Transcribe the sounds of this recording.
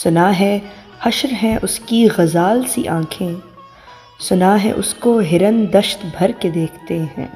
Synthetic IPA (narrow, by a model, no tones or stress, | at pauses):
sʊnaɦɛ̃ | hɐʃɾɦɛ̃ʔʊskiɣɐzaːlsḭʔãːkʰẽ | sʊnaɦɛ̰̃ʔʊskoɦɪɾənd̪ɐʃt̪bʱɐɾked̪eːkʰt̪eɦɛ̰̃ː